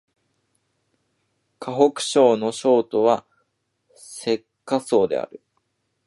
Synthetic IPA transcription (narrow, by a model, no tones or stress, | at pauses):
kʰaɦo̞kɯ̟̥ɕo̞ːno̞ɕo̞ːt̪o̞βa | se̞kːaso̞ːd̪e̞̰a̰ɾɯ̟